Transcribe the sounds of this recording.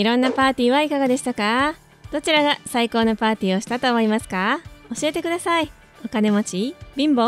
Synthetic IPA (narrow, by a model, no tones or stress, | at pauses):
iɾõ̞nːapaːt̪ʲiːβaikaɡad̪e̞ɕi̥t̪aka | d̪̥o̞t͡ɕiɾaɡasaiko̞ːnopaːt̪ʲiːo̞ɕi̥t̪at̪o̞ːmo̞imasɨ̥kao̞ɕie̞t̪e̞kɯ̟d̪asai | o̞kane̞mo̞t͡ɕibʲĩmbo̞